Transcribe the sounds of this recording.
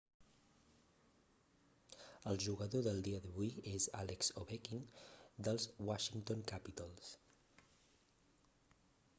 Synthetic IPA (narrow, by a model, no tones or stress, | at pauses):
əlˠʒuɣəðoðəlˠd̪iəðəβujeza̰lɛkz̥oβekind̪əlˠzwaʃiŋt̪oŋkapit̪alˠs